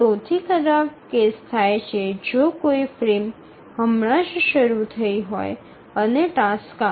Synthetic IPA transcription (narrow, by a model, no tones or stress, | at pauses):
t̪ot̪ʰikʰəɾab̚kest̪ʰajt͡ʃʰed͡ʒokoifɾim | həmɳãʃʃəɾut̪ʰəiɦɔj | əneʈaska